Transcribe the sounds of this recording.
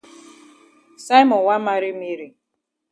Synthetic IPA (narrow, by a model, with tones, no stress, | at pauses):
sa˦jmɔ˨wa˦ma˦ɾi˦mi˦ɾi˨